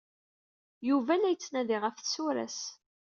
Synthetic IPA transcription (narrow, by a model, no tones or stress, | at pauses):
juvælæjət͡sːnæðiʁəfθsuɾæ̰s